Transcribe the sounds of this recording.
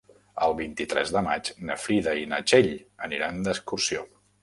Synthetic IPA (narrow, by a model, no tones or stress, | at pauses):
əlˠβint̪it̪ɾɛ̰zðəmat͡ʃnəfɾiðəinət͡ʃeʎəniɾand̪əskursio